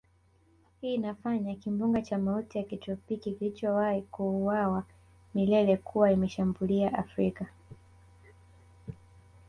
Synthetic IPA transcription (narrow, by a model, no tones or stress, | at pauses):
hiːnafaɲakimbuŋɡat͡ʃamautijakitɔpikikilit͡ʃɔwahikuːwawa | milɛlɛkʰuwaimɛʃambuliaʔafɾika